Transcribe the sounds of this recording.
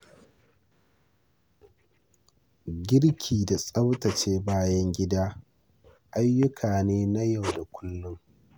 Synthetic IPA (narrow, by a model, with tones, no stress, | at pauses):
ɡʲɪ˦ɽkʲʰiː˨da˨sʼɐ˦wtɐ˨t͡ʃeː˦baː˦jɐ˦ŋɡʲɪ˦daː˦ | ʔa˦jːʊ˦kʰaː˨neː˦na˦ja˨wda˨kʷʊ˦lːʊ˦ŋ